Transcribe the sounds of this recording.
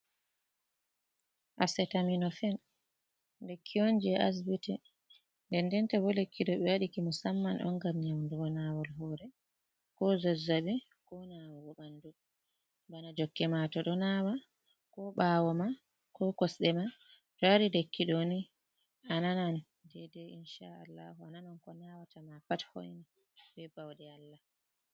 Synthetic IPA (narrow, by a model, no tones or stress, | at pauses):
ʔasɛtaminɔfɛn | lekʰːiond͡ʒiɛʔas̬bitɛ | ndɛndɛntɛbɔlekːiɗɔɓɛwaɗikimɔsamːanʔɔ̰ŋɡamɲawnduɡɔnawɔlɦɔːɾɛ | kɔzɔzabɛ | kɔnawabɔɓandu | banad͡ʒɔkːɛmatɔɗɔnawa | kɔɓaːwɔma | kɔkɔsɗɛma | d͡ʒɔaɾilekːiɗoni | ʔananan | dɛdɛinʃaalːa̰huananankɔnawatamapathɔ̰jni | bɛbawɗɛalːa